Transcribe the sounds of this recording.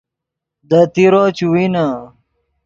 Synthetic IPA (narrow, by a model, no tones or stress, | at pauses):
d̪ɐt̪iɾot͡ɕuwina